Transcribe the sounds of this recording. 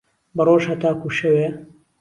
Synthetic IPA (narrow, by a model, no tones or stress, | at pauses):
bɐroːʒhɐt̪aːkuʃɐweː